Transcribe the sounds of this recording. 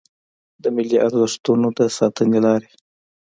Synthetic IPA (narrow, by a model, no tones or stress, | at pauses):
d̪əmɪliʔaɾzəʂt̪unod̪əsɑt̪ənelɑɾe